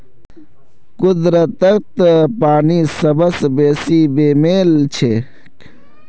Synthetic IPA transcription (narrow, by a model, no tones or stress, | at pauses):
kʊd̪ɾət̪əɾ̚t̪paːnisɐbəsbeːsibeːmeːlt͡ʃʰe